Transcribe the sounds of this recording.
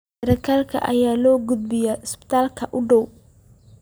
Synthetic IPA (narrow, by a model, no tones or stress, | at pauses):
ɾɐkʰaːlkʰɐ̰ʔɐ̰jaːlɔːɡʊd̪̚bɪjaɪspɪ̥t̪ʰaːlkʰɐʔʊɖɔw